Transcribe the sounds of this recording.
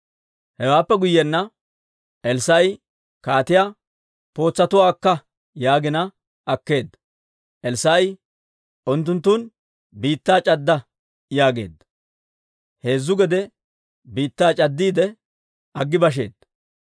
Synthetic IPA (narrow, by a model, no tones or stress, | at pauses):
hɛwaːpːɛɡʊjːɛnːɐ | ʔɛlsɐj | kaːt̪ɪjaː | po̞ːt͡sːɐt̪ʊwaːkːɐ | jaːɡɪnɐ | ɐkːe̞ːd̪ːɐ | ʔɛlsaj | ʔʊnt̪̬ːʊnt̪ːun | biːt̪ːaːt͡ʃʼɐd̪ːɐ | jaːɡe̞̰ːd̪ːɐ | he̞ːzːʊɡɛd̪ɛ | biːt̪ːaːt͡ʃʼɐd̪ːiːd̪ɛ | ʔɐɡːɪbɐʃ̬e̞̰ːd̪̥ɐ